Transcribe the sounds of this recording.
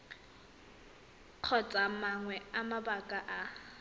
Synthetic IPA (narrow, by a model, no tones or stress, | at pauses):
q͡χʰɔt͡sʼamaŋwɛamabakʼaʔa